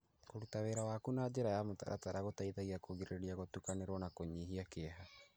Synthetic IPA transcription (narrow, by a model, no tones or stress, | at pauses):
koɾutaweɾawaːkunaːd͡ʒeɾajamota̰ɾʔa̰taɾaɣotaiðaiakʰoɡiɾeeɾiaɣotukaneɾonakoɲiɦiakeɦa